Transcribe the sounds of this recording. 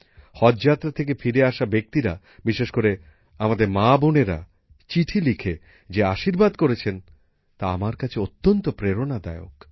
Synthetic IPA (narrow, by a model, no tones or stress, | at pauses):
hɔd͡ʑd͡ʑat̪ːɾat̪ʰek̬efiɾeaʃabek̚t̪iɾa | biʃeʃkoɾe | amad̪eɾmaboneɾa̰ | t͡ɕiʈʰilikʰe | d͡ʑeaʃiɾbad̪koɾet͡ɕʰen | t̪aamaɾkat͡ɕʰeot̪ːont̪opɾeɾonad̪aeok